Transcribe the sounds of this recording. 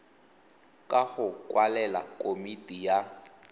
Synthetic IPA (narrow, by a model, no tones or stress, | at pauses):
kʼaɣʊkʼwalɛla̰kʼomitʼija